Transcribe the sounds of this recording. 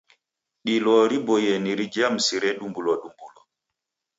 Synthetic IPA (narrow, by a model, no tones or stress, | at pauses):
ɗilɔɾibɔjɛniɾid͡ʒamsiɾɛɗumbulɔɗumbulɔ̰